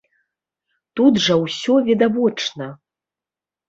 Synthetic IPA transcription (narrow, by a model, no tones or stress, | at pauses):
t̪ud̪ʐɐwsʲɔvʲɛd̪avɔt͡ʂnɐ